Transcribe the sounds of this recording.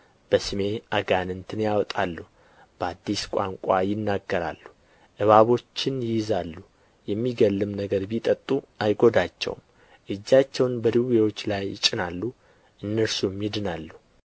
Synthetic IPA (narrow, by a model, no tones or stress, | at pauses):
b̥əsɨme̞ʔaɡanɨnt̪ʰɨnjawt̪ʼalːu | b̥əad̪ːiskʷʼa̰ŋkʷʼajɪnːaɡːəɾa̰lːu | ʔɨβaβo̞t͡ʃːɪnjɪjzalːu | jɛmːiɡəlːɨmnəɡəɾbit̪ʼət̪ʼːu | ajɡo̞d̪at͡ʃːɛ̰wm | ʔɨd͡ʒːat͡ʃːɛwnbəd̪iwewo̞t͡ʃːlajɪt͡ʃʼɪnalːu | ʔɨnːəɾsumjɪd̪ɨnalːu